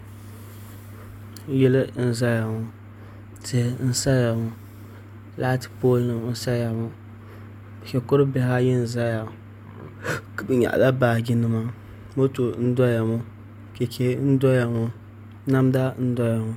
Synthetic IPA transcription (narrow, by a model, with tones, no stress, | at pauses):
jɛ˦lɨ˦n̩˦za˦ja˨ŋʊ˨ | tʰɨ˨n̩˦sa˦ja˨ŋʊ˨ | la˦tpo˦lnɨ˨m˦n̩˦sa˦ja˨mʊ˦˨ | kɛ˨kʊ˦ɾɨ˦bɛ˦ha˦jɛ˦n̩˨za˦ja˨ | bɨ˨ɲa̰˨ʔla˦baː˨ɡʲɪ˦nɨ˦ma˦ | mo˦to˨˦n̩˦dɔ˦ja˨mʊ˦ | ke˨kʰe˨n̩˦dɔ˦ja˨ŋo˦ | na˦mda˦n̩˦dɔ˦ja˨ŋʊ˦